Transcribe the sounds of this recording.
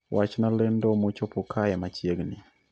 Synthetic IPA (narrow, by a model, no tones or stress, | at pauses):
wʔat͡ʃnalɛndomot͡ʃopokʰajamat͡ʃjeɡnɪ